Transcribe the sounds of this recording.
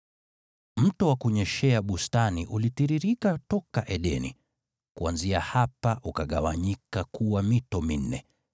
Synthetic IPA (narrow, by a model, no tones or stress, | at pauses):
m̩tɔwakuɲɛʃɛaɓustaniʔulitiɾiɾikatɔkaʔɛɗɛnḭ | kuanziahapaʔukaɠawaɲikakuwamitɔmin̩ːɛ̰